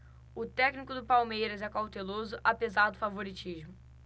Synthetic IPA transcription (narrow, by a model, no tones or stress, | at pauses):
ʊt̪ɛknikʊd̪ʊpawmejɾɐzɛkawt̪elozʊʔapezaɾd̪ʊfavoɾit͡ʃiʒmʊ